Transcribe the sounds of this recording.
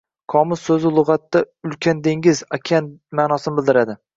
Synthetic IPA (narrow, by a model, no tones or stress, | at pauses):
kʰɒmɪzsɵzɪlˠʊʁɑt̪ːa | ʊlkʲʰand̪eŋʲɪzakʲʰanmaːnɒsɪnɪbɪld̪ɪɾad̪ɪ